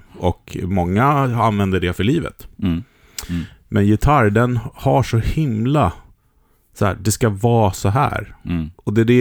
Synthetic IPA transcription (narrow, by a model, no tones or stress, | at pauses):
ʔɔkʰmɔŋːaanvɛnd̪əɖɛfœɭiːvə̰t̪ | mʔɛnjɛt̪ʰaɾd̪ɛnhaʂɔhɪmla | sɔhæ̰ːɖɛskavɑːsɔɦæ̰ːɾɔd̪ɛd̪ɛ